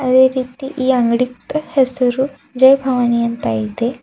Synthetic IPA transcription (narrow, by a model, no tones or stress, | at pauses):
ədeɾit̪iːʔiãŋɡɽik̚t̪əhesəɾuː | d͡ʑejbʱaʋanijənt̪ajd̪e